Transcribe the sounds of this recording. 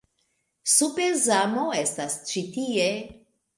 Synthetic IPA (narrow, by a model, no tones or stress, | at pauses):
supezamoestast͡ʃitie